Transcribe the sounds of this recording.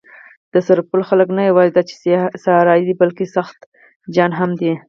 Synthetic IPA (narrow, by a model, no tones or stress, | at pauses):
d̪̥əsaɾpʊlxaləknajawɑzid̪ɑt͡ʃe̥saɾɑjid̪ibalkesaxt̪ | d͡ʒɑnɦamd̪i